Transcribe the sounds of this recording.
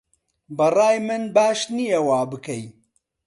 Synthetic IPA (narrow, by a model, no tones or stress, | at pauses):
bɐraːjmɨnbaːʃnijewaːbɨkʰɐj